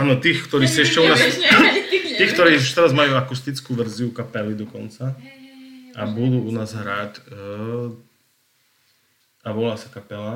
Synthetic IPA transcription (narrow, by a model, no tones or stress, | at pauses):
aːnɔt̪iːxkt̪ɔɾiːsiɛʃcɛunaːs | t̪iːk̚t̪ɔɾiːuʃt̪ɛɾazmajuːakust̪it͡skuʋɛɾziukapɛlid̪ɔkɔnt͡sa | ʔa̰bud̪uːunaːzɦɾaːt̪ | aʋɔlaːsḁkapɛla